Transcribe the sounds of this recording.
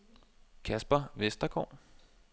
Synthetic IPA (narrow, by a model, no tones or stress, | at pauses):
kʰæsb̥ɐʋesd̥ɐɡ̥ɒ̰ː